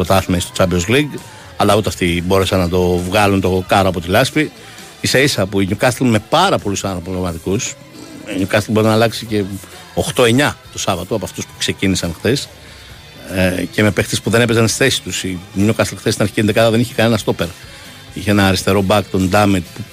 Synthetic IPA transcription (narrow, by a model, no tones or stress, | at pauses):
pɾot̪ɐθimeist̪ot͡sɐbiozliɡ | ɐlɐut̪eɐft̪ibo̞ɾesɐnːɐt̪o̞vɣɐlunt̪o̞kɐɾoɐpo̞t̪ilɐspi | iseisɐpuiɲukɐst̪lme̞pɐɾɐpo̞lusɐnɾpolomɐt̪ikus | iɲukɐst̪lbo̞ɾinɐːlɐksice̞ | o̞xt̪o̞e̞ɲɐt̪osɐvɐt̪oɐpoɐft̪uspu̥kse̞cinisɐnxθe̞s | ce̞me̞pext̪espuðe̞ne̞pezɐnsi̥θesi̥t̪usimɲukɐst̪lxθest̪inɐɾçi̥ciend̪ekɐðɐðeniçekɐne̞nɐst̪o̞pe̞ɾ | içeenɐːɾist̪e̞ɾobɐk̚t̪ond̪ɐmit̪pu